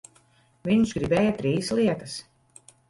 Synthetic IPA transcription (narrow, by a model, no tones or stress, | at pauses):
vʲiɲzɡɾibɛːjɐt̪ɾiːslˠiɛt̪ɐs